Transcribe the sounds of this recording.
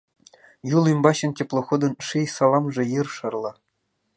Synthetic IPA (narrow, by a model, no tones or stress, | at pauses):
julˠymbɑɕɤ̆nkʲĕplˠŏxod̪ɤ̆nʂɯjsɑlˠɑmʐɤ̆jɯrʂɑrlˠɑ